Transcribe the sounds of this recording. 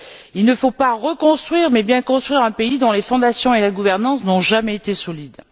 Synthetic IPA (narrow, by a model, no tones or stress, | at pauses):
ilnəfopaʁəkɔ̃st̪χɥiʁmɛbjɛ̃kɔ̃st̪χɥiʁɛ̃peid̪ɔ̃lefɔ̃d̪asjɔ̃elaɡuvɛʁnɑ̃snɔ̃ʒamɛet̪esɔlid̪